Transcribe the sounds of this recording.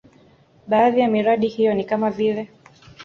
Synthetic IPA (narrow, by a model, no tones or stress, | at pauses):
ɓaːðijamiɾaɗihijɔnikamavilɛ